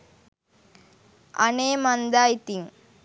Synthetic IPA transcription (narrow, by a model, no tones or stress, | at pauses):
ʔɐ̰neːmɐnd̪aːjt̪iŋ